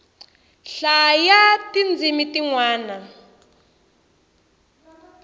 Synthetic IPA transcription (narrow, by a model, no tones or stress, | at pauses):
ɬajatind͡zʱimitiŋwaːna